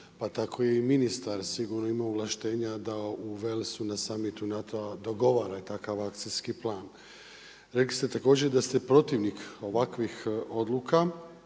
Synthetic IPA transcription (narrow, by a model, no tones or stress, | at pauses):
pat̪akʰo̞jeiminist̪aɾsiɡuɾno̞imauɣlaʃt̪e̞ːɲad̪auʋe̞lsunasamit̪unat̪oad̪o̞ɡo̞ʋaːɾat̪akaʋakt̪sinskiplˠaːn | ɾeklist̪e̞t̪ako̞ːd͡ʑed̪ast̪epɾo̞t̪iʋniko̞ʋakʋixo̞d̪lˠuka